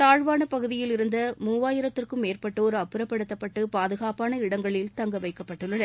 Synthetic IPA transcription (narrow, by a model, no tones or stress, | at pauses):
t̪aːɻʋaːnɐpɐɣɯðɪjɪlɪɾɯnd̪ɐmuːʋaːjɪɾɐt̪ːɪrkɯmeːrpɐʈːɯɔɾɯɐpːɯɾɐpːɐɽɯt̪ːɐpːɐʈːɯpaːðɯɣaːpaːnɐɪɽɐŋɡɐɭɪlt̪ɐŋɡɐʋɐɪkːɐpːɐʈːɯɭːɐðɐ